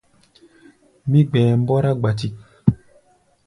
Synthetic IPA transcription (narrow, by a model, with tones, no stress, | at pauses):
mi˦ɡ͡bɛː˨m̩˦bɔ˦ɾa˦ɡ͡ba˨ti˨k̚